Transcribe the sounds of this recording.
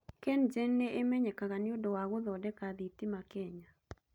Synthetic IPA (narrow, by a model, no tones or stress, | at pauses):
kɛnd͡ʒɛnːeʔemɛɲɛkakanɪodɔwaɡʊðɔdɛkaðit̪ɪmakɛɲa